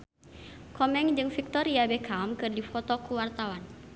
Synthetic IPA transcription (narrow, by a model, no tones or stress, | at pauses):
kɔmɛŋd͡ʒɨŋfik̚t̪ɔɾiabɛkaɔmkɨrdifɔt̪ɔkuwart̪awan